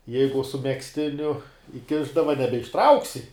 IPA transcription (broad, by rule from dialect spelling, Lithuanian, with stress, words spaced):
ˈjɛɪɡʊ sʊ mʲɛksʲˈtʲɪnʲʊ ɪˈkʲɪʒdɐʋɐ nʲɛbʲɛɪʃˈtrɐʊksʲɪ